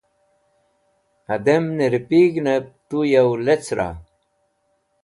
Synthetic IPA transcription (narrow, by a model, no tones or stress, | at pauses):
ad̪emneɾipiɡnep̚t̪ujawlet͡sɾa̰